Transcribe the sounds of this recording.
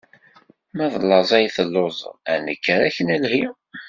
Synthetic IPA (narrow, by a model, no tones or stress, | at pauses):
mæðˤlːɑzˤæjθəlːozˤænəkːəɾæçənəlhi